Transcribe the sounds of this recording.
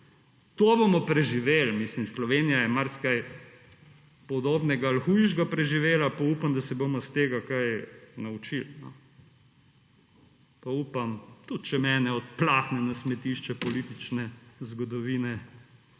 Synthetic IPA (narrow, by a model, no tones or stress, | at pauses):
t̪oːbomɔpɾɛʒiʋeːlmislimslɔʋeːnijajɛmaɾskaj | pɔd̪oːbnɛɡaːlxujʒɡapɾɛʒiʋeːlapauːpamd̪ɐsɛbomɔst̪eːɡakajnaut͡ʃilnɔ̰ | pauːpamt̪ut̪̚t͡ʃɛmɛːnɛɔt̪̚plaːxnɛnɐsmɛt̪iʃt͡ʃɛpɔlit̪it͡ʃnɛzɡɔd̪ɔʋiːnɛ